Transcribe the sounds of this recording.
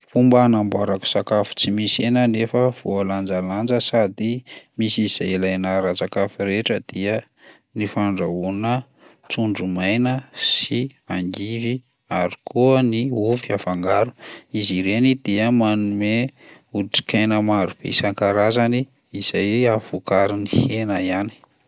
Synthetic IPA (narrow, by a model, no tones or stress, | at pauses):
fumbanambaɾaku̥sakafu̥t͡simisenənefəv̥oaland͡zaland͡ʒəsad̪imisiz̥ajilajnaɾat͡sakafiɾeʈ͡ʂəd̪̥iə | nifaɳɖ͡ʐaunə | t͡suɳɖ͡ʐumajnəsiaŋɡivi | aɾi̥kuəniuviafaŋɡaɾu̥iziɾenid̪̥iəmanume | uʈ͡ʂi̥kajnəmaɾub̥ḛsaŋkaɾazani | iz̥ajav̥ukaɾinihenajani̥